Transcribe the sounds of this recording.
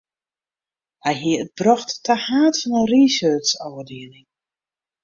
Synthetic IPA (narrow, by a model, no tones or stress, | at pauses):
ajɦiəb̥rɔxtːahaːtfɔnənrisøːtsɔwədiənɪŋ